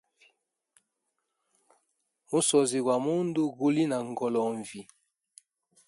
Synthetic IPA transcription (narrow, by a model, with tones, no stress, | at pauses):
mo˦sɔ˨zi˨ɣwa˨mo˦ndo˦ɣo˨li˦na˨ŋ˨ɡɔ˨lɔ˨ɱvi˨